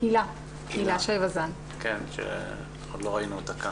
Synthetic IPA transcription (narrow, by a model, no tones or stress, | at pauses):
ila | kilaʃejvazan | kenʃḛ | od̪loʁainuot̪aka